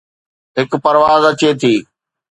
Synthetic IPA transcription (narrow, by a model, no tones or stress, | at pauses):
ɦɪkpɐɾʋaːzɐt͡ɕet̪ʰiː